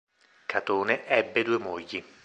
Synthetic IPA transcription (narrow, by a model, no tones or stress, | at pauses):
kʰat̪oːneʔɛbːed̪uːemojːi